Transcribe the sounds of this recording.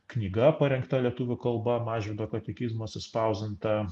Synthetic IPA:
knʲiːɡɐpɐɾʲɛŋkt̪ɐlʲiɛt̪uːʋʲʊkɐlˠbɐmɑːʒʲʋʲɪd̪oːkɐt̪ʲɛkʲizmoɐt̪ʲsʲɪspɐʊzʲɛnt̪ɐ

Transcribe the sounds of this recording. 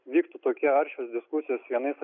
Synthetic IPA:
ʋʲiːkt̪ut̪oːkʲɛɐɾʲʃʲoːsd̪ʲɪskʊsʲɪjoːsʋʲiɛnɐɪsɐ

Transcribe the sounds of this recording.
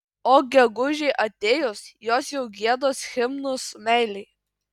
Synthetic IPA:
oːɡʲɛɡʊʒʲɛɪʔɐt̪ʲeːjʊsjoːsjɛʊɡʲiɛd̪oːsxʲɪmnʊsmʲɛˑɪlʲɛɪ

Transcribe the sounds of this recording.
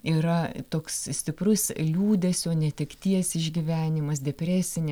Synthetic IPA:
iːɾɐt̪oːkssʲt̪ʲɪprʊslʲuːd̪ʲɛsjoːnʲɛt̪ʲɛkt̪ʲiɛsɪʒʲɡʲiːʋʲæːnʲɪmɐs̬d̪ʲɛpʲɾʲæːsʲɪnʲɪ

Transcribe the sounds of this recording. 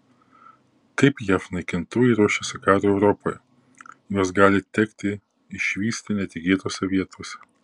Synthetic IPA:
t̪ɐɪpjæfnɐɪkʲɪnt̪uːɛɪɾuɔʃʲɛsʲɪkɑːɾoɛʊɾɔpojɛ | joɔsɡɑːlʲɪt̪ʲɛkt̪ʲɪ | ɪʃʲʋʲiːsʲt̪ʲɪnʲɛt̪ʲɪɡʲiɛt̪oːsʲɛʋʲiɛt̪ʰoːsʲɛ̥

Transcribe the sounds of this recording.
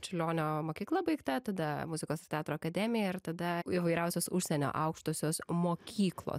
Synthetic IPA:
t͡ʃʲʊlʲoːnʲoːmoːkʲiːklˠɐbɐɪkt̪ɐt̪ɐd̪ɐmʊzʲɪkoːst̪ʲɑːt̪ɾoːɐkɐd̪ʲɛmʲɪjɛɪɾt̪ɐd̪ɐiʋɐɪɾʲɛʊsʲoːsʊʃʲsʲɛnʲo̰ːʔɐʊkʃt̪oːsʲoːsmoːkʲiːklˠo̰ː

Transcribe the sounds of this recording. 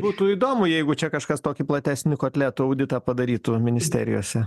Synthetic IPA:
buːt̪ʊːiːd̪oːmʊjɛɪɡʊt͡ʃʲɛkɐʃkɐst̪oːkʲɪplˠɐt̪ʲæːsʲnʲɪkoːt̪ʲlʲæːt̪ʊɐʊd̪ʲɪt̪ɑːpɐd̪ɐɾʲiːt̪ʊmʲɪnʲɪsʲt̪ʲæ̰ːɾʲɪ̰jo̰ːsʲɛ

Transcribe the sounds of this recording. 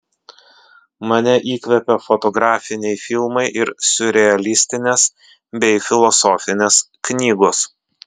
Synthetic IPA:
mɐnʲɛʔiːkʋʲɛpʲɛfɔt̪ɔɡɾɑːfʲɪnʲɛɪfʲɪlˠmɐɪʔɪɾsʲʊɾʲɛɐlʲɪsʲt̪ʲɪnʲeːs | bʲɛɪfʲɪlˠɔsɔːfʲɪnʲeːs | knʲiːɡoːs

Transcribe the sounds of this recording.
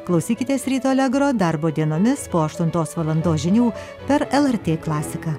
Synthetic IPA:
klˠɐʊsʲiːkʲɪt̪ʲeːsɾʲiːt̪oːlʲɛɡɾoːd̪ɐɾboːd̪ʲiɛnoːmʲɪspoːɐʃt̪ʊnt̪oːsʋɐlˠɐnd̪oːsʒʲɪnʲuː | pʲɛɾɛlˠɛɾʲt̪ʲeːklˠɑːsʲɪkɑː

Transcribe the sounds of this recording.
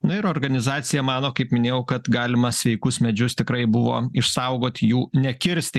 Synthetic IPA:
nʊɪɾoːɾɡɐnʲɪzɑːt̪sʲɪjɛmɑːnoːkɐɪpmʲɪnʲeːjɛʊkɐt̪ɡɑːlʲɪmɐsʲʋʲɛɪkʊsmʲɛd͡ʒʲʊst̪ʲɪkɾɐɪbʊʋo̰ːɪʃsɐʊɡoːt̪ʲjuːnʲɛkʲɪɾʲsʲt̪ʲ

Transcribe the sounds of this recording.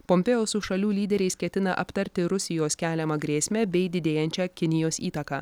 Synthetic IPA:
pɔmʲpʲɛjoːsʊʃɐlʲuːlʲiːd̪ʲɛɾʲɛɪskʲɛt̪ʲɪnɐʔɐpʲt̪ɐɾʲt̪ʲɪɾʊsʲɪjoːskʲæːlʲɛmɐɡɾʲeːsʲmʲɛbʲɛɪd̪ʲɪd̪ʲeːjɛnʲt͡ʃʲɛkʲɪnʲɪjoːsiːt̪ɐkɑː

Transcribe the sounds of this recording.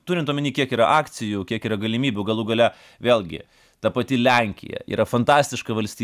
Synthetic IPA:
t̪uːɾʲɪnt̪uːmʲɛnʲiːkʲiɛkiːɾɐʔɑːkt̪sʲɪjukʲiɛkiːɾɐɡɐlʲɪmʲiːbʲʊɡɐlˠuɡɐlʲɛ | ʋʲeːlʲˠɡʲɪ̰ | t̪ɐpɐt̪ʲɪlʲæŋʲkʲɪ̰jɛ̰ḭːɾʔɐfɐnt̪ɑːsʲt̪ʲɪʃkɐʋɐlʲsʲt̪ʲiː

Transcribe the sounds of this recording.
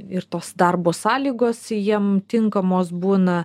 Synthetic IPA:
ɪɾt̪oːsd̪ɐɾboːsɑːlʲiːɡoːsjiɛmt̪ʲɪŋkɐmoːsbuːnɐ

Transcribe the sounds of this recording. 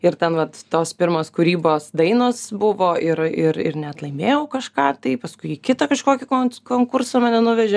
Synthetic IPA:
ɪrt̪ʲɛnʋɐt̪t̪oːspʲɪɾmoːskʊɾʲiːboːsd̪ɐɪnoːsbʊʋoːʔɪɾɪɾɪ̰rnʲɛɐt̪lˠɐɪmʲeːjɛʊkɐʃkɑːt̪ɐɪpɐskʊɪikʲɪt̪ɐkɐʃkoːkʲɪkoːnkoːŋkʊrsɐmɐnʲɛnʊʋʲɛʒʲɛ

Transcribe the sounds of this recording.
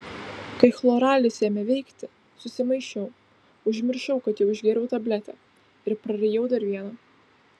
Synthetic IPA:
kɐɪxlˠoːɾɑːlʲɪsʲeːmʲɛʋʲɛɪkt̪ʲɪ | sʊsʲɪmɐɪʃʲɛʊ | ʊʒʲmʲɪɾʲʃɛʊkɐt̪jɛʊɪʒʲɡʲeɾʲɛʊt̪ɐbʲlʲæt̪ʲæ̰ː | ɪɾpɾɐɾʲɛjɛʊd̪ɐɾʋʲiɛnɐː

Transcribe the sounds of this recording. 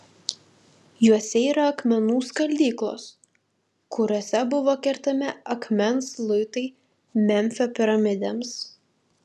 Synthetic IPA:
juɔsʲɛiːɾɐɐkmʲɛnuːskɐlʲd̪ʲiːklˠo̰ːs | kʊɾʲoːsʲɛbʊʋoːkʲɛɾʲt̪ɐmʲɛɐkmʲɛnslˠʊɪt̪ɐɪ | mʲɛmʲfʲopʲɪɾɐmʲɪd̪ʲɛms

